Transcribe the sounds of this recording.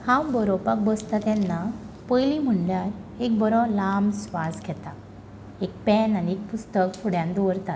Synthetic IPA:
hãwbəɾɔpak̚bəst̪at̪ɛnːa | pəjlim̤əɳljaɾek̚bəɾɔlamsʋad͡zɡʱɛt̪a | ek̚pɛnaniek̚pust̪əkfʰuɽjãnd̪oʋəɾt̪at̪

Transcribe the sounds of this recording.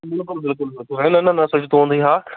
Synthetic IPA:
bɪlkʊlbɪlkʊlbɪlkʊlenɐnɐnɐsʊt͡ʃʰt̪ʰoɦũːn̆d̪iɦaː

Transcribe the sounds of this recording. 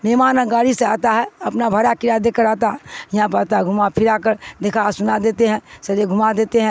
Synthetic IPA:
mɛːmaːnə̃ɡaːɽiseaːt̪aɦɛɐpnabʱɐɾakɪɾad̪ekəɾaːt̪aɦjɐɦãpəːt̪aɦɡʱʊmapʰɪɾaːkəɾd̪ekʰasʊnad̪eːt̪eɦɛ̃sɐɾeɡʱʊmad̪eːt̪eɦɛ̃ː

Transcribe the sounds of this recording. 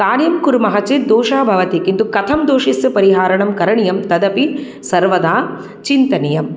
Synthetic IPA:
kaːɽjɐmkuɾmɐɦɐt͡ʃed̪oːʃaːbʱɐʋɐt̪ikint̪ukɐt̪ʰɐmd̪oːʂisjɐpɐɾiɦaːɾɐɳɐmkɐɾɐɳijɐmt̪ɐd̪ɐpi | sɐɾʋɐd̪aː | t͡ʃint̪ɐnijɐm

